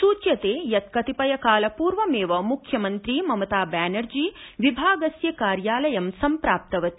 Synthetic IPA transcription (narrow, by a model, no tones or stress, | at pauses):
suːt͡ʃjɐt̪eːjɐt̪kɐt̪ipɐjɐkaːlɐpuːɾʋɐmeːʋɐmukʰjɐmɐnt̪ɾiːmɐmɐt̪aːbæːnɐɾd͡ʒiːʋibʱaːɡɐsjɐkaːɾjaːlɐjɐmsɐmpɾaːp̚t̪ɐʋɐt̪i̥